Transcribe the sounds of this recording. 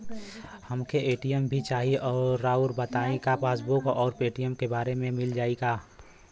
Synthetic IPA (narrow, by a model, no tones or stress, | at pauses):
həmkʰeeːʈijəmbʱit͡ʃaːɦiɔːɾːaːuɾbət̪aːẽkapaːsbʊkɔːɾpeːʈijəmkebaːɾemẽmɪld͡ʒaːiɡaː